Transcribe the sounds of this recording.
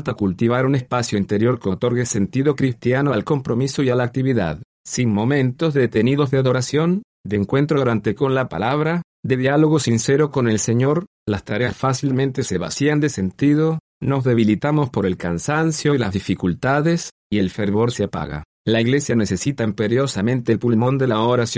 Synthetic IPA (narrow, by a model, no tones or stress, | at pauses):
lt̪akult̪iβ̞aɾune̞spasjoint̪eɾjo̞ɾkot̪o̞ɾɣese̞nt̪iðo̞kɾist̪janoalko̞mpɾo̞misoialaːk̚t̪iβiða̰ð | sinmo̞mẽ̞nt̪o̞zðet̪e̞niðo̞zðeaðo̞ɾasjo̞n | d̪eŋkwe̞nt̪ɾoɾant̪eko̞nlapa̰laβ̞ɾa | d̪e̞ðjalo̞ɣo̞sinseɾoko̞ne̞lseɲo̞ɾ | last̪aɾeasfasilmẽ̞nt̪eseβa̰siand̪ese̞nt̪ið̞o | no̞zðe̞βilit̪amo̞spo̞ɾe̞lkansansjoilazðifikult̪aðes | ie̞lfeɾβo̞ɾseapa̰ɣa̰ | laiɣle̞sjane̞sesit̪aimpeɾjosamẽ̞nt̪elpulmo̞nd̪e̞laoɾas